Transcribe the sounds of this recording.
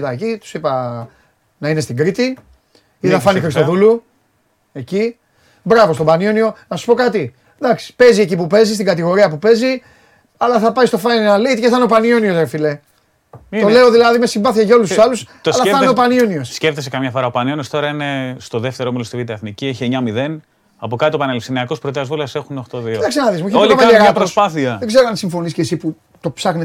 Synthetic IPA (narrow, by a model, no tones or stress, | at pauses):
t̪ɐcit̪u̥sipɐ | nɐine̞st̪iɡɾit̪i | iðɐfɐnixɾist̪o̞ðulu | e̞ci | bɾɐvo̞st̪obɐnjonio̞nɐssu̥po̞kɐt̪i | ðɐksi̥pe̞zie̞cipupe̞zist̪iɡɐt̪iɣo̞ɾiɐpupe̞zi | ɐlɐθɐpɐist̪o̞fɐjnnɐleit̪ceθɐneo̞pɐnionio̞seɾfile̞ | t̪o̞le̞o̞ðilɐðime̞simbɐθicɐʝao̞lususɐlusoɐlɐɐneopɐnioniossceft̪esekɐmɲɐfo̞ɾɐopɐnioniost̪o̞ɾɐine̞st̪o̞ðeft̪e̞ɾomilost̪ivit̪ieθnicieçieɲɐmiðe̞n | ɐpokɐt̪it̪opɐnelifsiniɐko̞spɾot̪eɐzvulɐsexunoxt̪oðiɐksɐnɐðis̬muiçeolɐpɐɐɣɐɾosspɐθiɐðeɡze̞ɾoɐnsiɱfo̞niscesipu | t̪o̞psɐxne